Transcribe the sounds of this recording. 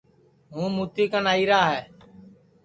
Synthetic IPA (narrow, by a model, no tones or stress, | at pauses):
ɦũːmuːt̪iːkənaːiːɾaːɦɛː